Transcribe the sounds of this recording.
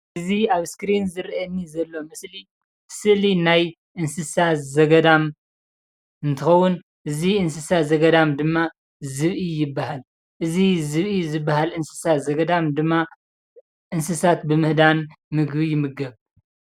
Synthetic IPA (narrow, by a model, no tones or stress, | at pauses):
ʔɨziaβskɾinzɨɾɐnːizɐlːo̞mɨsli | sɨlinaj | ʔɨnsɨsazɐɡɐd̪am | ɨnt̪ʰɨxɐwːun | ʔɨziʔɨnsɨsazɐɡɐd̪amd̪ɨmːa | zɨβʔijɪbːahal | ʔɨzizɨβʔizɨbːaɦalʔɨnsɨ̥satzɐɡɐd̪amd̪ɨmːa | ʔɨnsɨsat̪bɨmɨhd̪an | mɨɡbijɪmːɨɡɐβ